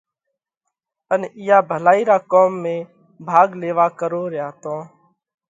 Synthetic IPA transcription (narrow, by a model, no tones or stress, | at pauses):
ənɪjaːbʱəlaːiːɾaːkoːmːẽː | bʱaːɡleːʋaːkəɾoːɾɪjaːt̪õː